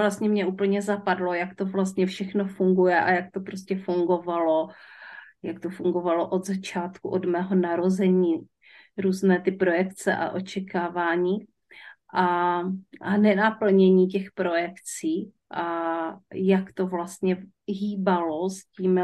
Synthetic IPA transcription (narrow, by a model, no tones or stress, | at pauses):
vlast̪ɲɛmɲɛʔuːpl̩ɲɛzapadlo̞jakt̪o̞vlast̪ɲɛfʃɛxno̞fuŋɡujɛʔa̰jak̚t̪o̞pɾo̞scɛfuŋɡo̞valo̞ | jakt̪ofuŋɡo̞valoʔo̞d̪zat͡ʃaːt̪kuʔodmɛːɦo̞naɾozɛɲiː | ɾuːznɛːt̪ɪpɾo̞jɛkt͡sɛ̰ʔa̰ʔo̞t͡ʃɛkaːvaːɲiː | ʔa | ʔanɛnapl̩ɲɛɲiːcɛxpɾo̞jɛkt͡siː | ʔa | jakt̪o̞vlast̪ɲɛ | ɦiːbalo̞sciːm